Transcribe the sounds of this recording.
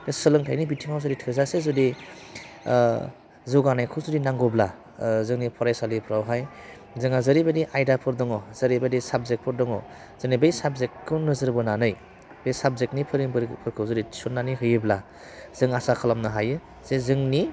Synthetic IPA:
esɯlɯŋtʰajnibitʰiŋawzɯditʰɯzasezɯdi | zuɡanajkʰɯwzudinaŋɡɔbla | zɯŋnipʰɔɾajsalipʰɾawɦaj | zɯŋazɯɾibadiʔajdapʰɯɾdɔŋɔzɐɾibadisab̚zek̚pʰɯɾdɔŋɔ̰ | z̥ɯnibejsab̚zekːɯwnɯzɯɾbɯnanɯj | b̥ejsab̚zeknipʰɯɾiŋbɾpʰɯɾkʰɯwzɯdit͡ʃʰunːaniɦɯjɯbla | z̥ɯŋasakʰalamnɯɦajɯ | z̥ezɯŋni

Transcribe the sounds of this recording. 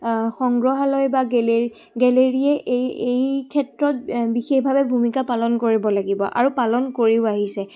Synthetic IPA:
xɔŋɡɹɔɦalɔjbaɡɛle | ɡɛleɹiɛʔejejkʰɛtɹɔt̚bixexbʱabɛbʱumikapalɔnkoɹibɔlaɡibɔ̰ʔa̰ɹupalɔnkoɹiʊaɦisɛ

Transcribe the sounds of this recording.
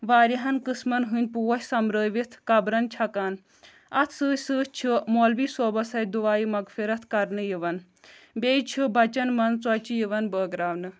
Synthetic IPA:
ʋaːɾiɦɐnkɨsmɐnɦɨn̚ʲpuwɐsʲsɐmɾəːʋit̪ʰkɐbɾɐnt͡ʃʰɐkaːn | ɐt̪ʰsɨːsɨːt͡ʃʰimolbisɔːbɐsɐjd̪uʋaːjimɐɡfʰiɾɐt̪ʰkɐɾnɨjiʋɐn | bʲeːjt͡ʃʰibɐt͡ʃɐnmɐnt͡swɐt͡ʃijiʋɐnbəːɡɾaːʋnɨ

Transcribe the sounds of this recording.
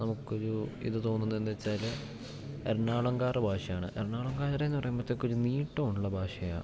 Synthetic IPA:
nɐmukːɨoɾuḭðɨt̪o̞ːnːunːɐend̪et͡ɕːaːl | eɾɳaːɭɐŋɡaːrɨbʱaːʂɐjaːɳɨʔeɾɳaːɭɐŋɡaːɾɐɾenːɨpɐrɐjumbɐt̪ːekːoɾuniːʈːɐːuɳuɭːɐbʱaːʂɐja̰

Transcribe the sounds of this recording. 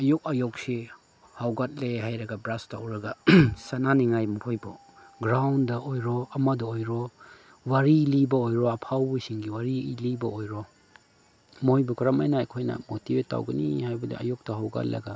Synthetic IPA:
ajok̚ajɔk̚si | hawɡat̚leɦajɾɐɡɐbɾastawɾɐɡasananiŋajmukʰojbɔ | ɡɾawndɐʔojɾɔɐmɐdɔojɾɔ | waɾilibɐojɾɔɐpʰawsiŋɡiwaɾilibɐojɾɔ | mojbɔkɐɾamajnaajkʰojnɐ̰motibeta̰wɡɐnihajbɐdḭa̰jok̚tɐɦawɡa̰t̚lɐ̰ɡa

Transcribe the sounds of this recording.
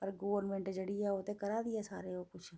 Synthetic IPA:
pɐɾɡoːʋəɾnmẽɳʈd͡ʒɐɽijaɦoːt̪ekɐɾad̪ijasaːɾeokʊt͡ʃʰ

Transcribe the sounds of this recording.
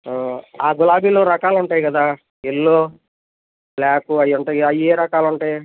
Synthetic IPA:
aːɡulaːbiːloːɾɐkaːluɳʈaːjɡɐd̪aː | elːoː | blaːkuɐjuɳʈɐjɐjeːɾɐkaːluɳʈaːj

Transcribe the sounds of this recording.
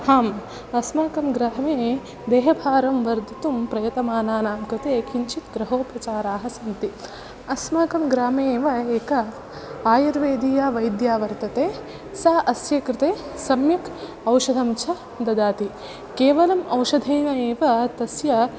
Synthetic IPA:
haːm | ɐsmaːkɐmɡɾaːmeː | d̪eːɦɐbʱaːɾɐmʋɐɾd̪ʱit̪umpɾɐjɐt̪ɐmaːnaːnaːmkɾɪt̪eːkʰiɲt͡ʃit̪ɡɾɐɦoːpɾɐt͡ʃaːɾaːɦɐsɐnt̪i | ɐsmaːkɐmɡɾaːmeːʋɐeːkɐ | aːjɐɾʋeːd̪ʱiːjaːʋɐjd̪jaːʋɐɾt̪ɐt̪eː | saːʔɐsjɐkɾɪt̪eːsɐmjɐk | ɐwʃɐd̪ʱɐmt͡ʃʰɐ | d̪ɐd̪aːt̪i | keːʋɐlɐmɐwʃɐd̪ʱeːnɐeːʋɐt̪ɐsjɐ

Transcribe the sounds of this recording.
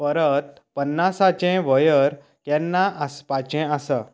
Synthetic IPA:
pəɾət̪̚ | pənːasat͡ɕɛ̃ʋəjəɾ | k̪jɛ̃nːaʔəspat͡ɕɛ̃asə

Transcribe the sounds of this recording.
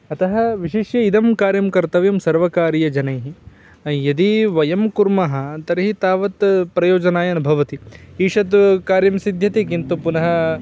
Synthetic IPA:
ɐt̪ɐɦɐʋiʃeːʃjɐid̪ɐmkaːɾjɐmkɐɾt̪ɐʋjɐmsɐɾʋɐkaːɾjɐd͡ʒɐnɐjɦi | jɐd̪iʋɐjɐmkuɾmɐɦɐ̆t̪ɐɾiɦit̪aːʋɐt̪pɾɐjoːd͡ʒɐnaːjɐnɐbʱɐʋɐt̪iiːʂɐt̪kaːɾjɐmsid̪ʱjɐt̪ikint̪upunɐɦɐ

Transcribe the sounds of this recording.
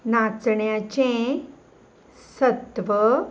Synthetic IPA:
nat͡sɳjat͡ɕẽ | sət̪ʋə

